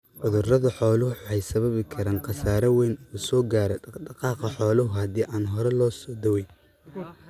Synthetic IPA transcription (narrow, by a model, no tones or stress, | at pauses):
ʔʊðʊrɐðɐħɔːlʊʊħʊħɛjsɐβɐβɪkʰɐɾaːnqɑsaːɾɐwɛjnuːsɔːɡaːɾɛɖɑqɑːqɑħɔːlʊɦʊhɐd̪iːʔaːnɦɔɾɛlɔːsɔːd̪ɐwɛj